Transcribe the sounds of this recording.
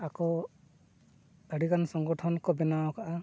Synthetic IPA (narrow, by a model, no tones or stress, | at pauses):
akɔ | əɽikansɔŋɡɔʈʰɔnkɔbɛnawɔkʰaʔa